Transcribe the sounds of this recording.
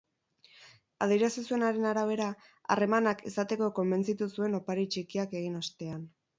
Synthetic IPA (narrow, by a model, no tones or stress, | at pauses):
a̰ð̞iɾasisue̞naɾe̞naɾaβ̞e̞ɾa | a̰re̞manakisat̪e̞ko̞ko̞mbe̞nt͡sit̪usue̞no̞paɾit͡ʃikiake̞ɣ̞inost̪e̞an